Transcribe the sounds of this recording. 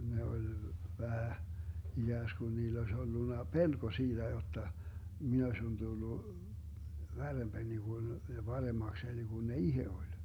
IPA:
ne olʲ ʋæhæ iɡ̊æːskun niːlː oes olːunːɑ pelko siːd̥æ jotːɑ min osʲin d̥ulːu ʋærːemb̥æni ɡ̊un jɑ b̥ɑremɑkseni ɡ̊un ne ihe olʲ

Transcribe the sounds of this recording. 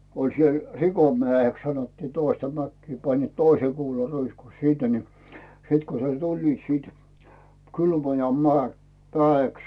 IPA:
olʲ siel rikomæˑeks sɑnotːiː toistɑ mækːiː pɑnːiːt toise kuːlɑruisku sinːe ni sit ko ne tulʲliːt siːt kylmojɑ mĕæˑe mĕæːeks

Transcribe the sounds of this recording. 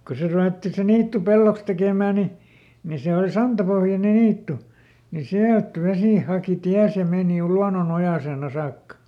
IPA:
ko se ruʋetːi se niːtːu pelːoks tekeˑmæˑ ni ni se ol sɑntɑpohjɑne niːtːu ni siælt ʋesiˑ hɑˑki tiæs jɑ meːni luɑnonojɑseˑn ɑ sɑːkːɑ

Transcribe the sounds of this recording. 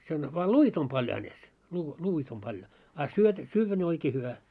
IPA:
sen ʋɑː luit om pɑljo hænes luː luːit om pɑljo ɑ syøt syːʋːæ ne oikeː hyʋæ

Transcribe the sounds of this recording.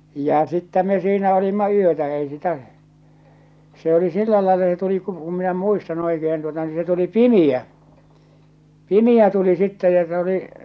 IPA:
j̊æ̥ jɑ̟ sitːæ me siːnæ olimːɑ yøtæ ei sitæʔ se oli silːæ lɑelːɑ se tuli ku ku minæ muistɑn oikehen tuotɑ ni se tuli pimij̆æ pimiæ tuli sitːɛ jɑ se oli

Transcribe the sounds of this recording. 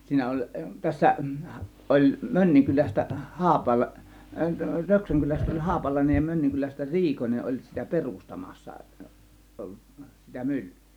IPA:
siːnæ olʲ tæsːæ ʔolʲ mønːiŋkylæstæ hɑːpɑlɑ røksæŋkylæstæ olʲ hɑːpɑlɑinej jɑ mønːiŋkylæstæ olʲ riːkonʲeʔ ʔolʲ sitæ perustɑmɑsːɑ ʔolːus sitæ mylːẙː

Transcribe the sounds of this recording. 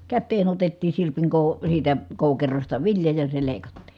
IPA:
kætːeːn otetːiːn̞ sirpiŋ koˑu siːtæ koˑukerostɑ ʋiljɑ jɑ se leˑi̯kɑtːi̥

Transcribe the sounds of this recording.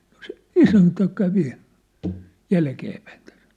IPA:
no se isæntæ kæʋi jælkeːpæin tæ̥s

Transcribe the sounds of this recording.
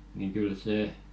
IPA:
niŋ kyl seˑ

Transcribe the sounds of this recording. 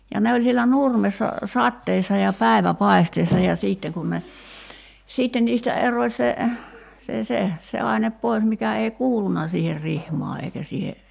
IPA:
jɑ ne olʲ sielæ nurmesːɑ sɑtːeːsːɑ jɑ pæˑi̞ʋæpɑi̞steːsːɑ jɑ siːtːe kun ne siːtːen niːstæ eroĭ se se se se ɑinep pois mikæ ei kuːlunɑ siːher rihmɑː eikæ siːhe

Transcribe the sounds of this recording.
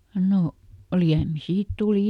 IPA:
no liæmi siːt tuˑli

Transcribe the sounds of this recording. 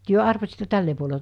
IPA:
tyø ɑrʋɑsitːe̥ tælːe puole

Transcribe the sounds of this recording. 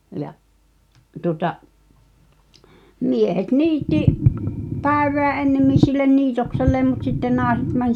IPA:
jɑʔ tuŏtɑʔ miehet niːtːi pæˑi̞ʋˑeæ enːemːin silːen niːtokselːeːm mut sitːen nɑːĕset mæn

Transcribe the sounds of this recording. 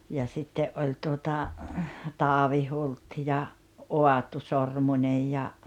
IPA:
jɑ sitːeʔ ʔolʲ tuotɑ tɑːʋi hult jɑ oɑtu sormunʲej jɑ

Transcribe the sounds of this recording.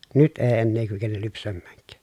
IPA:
nyt eː enːeː kykenel lypsæmːæːŋkˑæː

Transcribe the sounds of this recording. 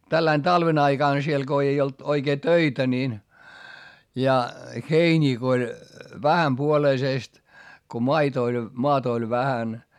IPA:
tælːæin tɑlʋen ɑiɡ̊ɑˑn siel ɡ̊o ei olt oikeː tøitæ niːn jɑ heinʲiː ko olʲ ʋæhæmpuoleiseˑst ko mɑit olʲ moɑtɑ̆ olʲ ʋæhæn

